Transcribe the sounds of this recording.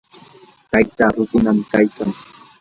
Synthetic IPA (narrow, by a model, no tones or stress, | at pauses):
t̪ajt̪aːɾʊt̪ʊnamkajkaŋ